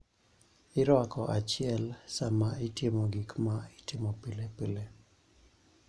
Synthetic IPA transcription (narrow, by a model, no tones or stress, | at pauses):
ɪɾwakɔʔat͡ʃɪɛlsamaitjemoɡikmaitɪmopilepile